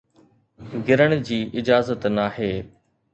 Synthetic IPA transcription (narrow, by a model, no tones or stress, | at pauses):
ɡɪɾəɽ̃d͡ʑiːʔɪd͡ʑaːzət̪naːɦeː